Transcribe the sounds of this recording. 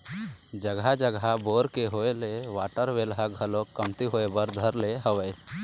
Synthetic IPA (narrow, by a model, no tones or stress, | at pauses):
d͡ʒəɡɦad͡ʒəɡɦaboɾkeɦoeleʋaːʈəɾʋelɦaɡʱəlokːəmt̪iɦoebəɾd̪ʱəɾleɦəʋəj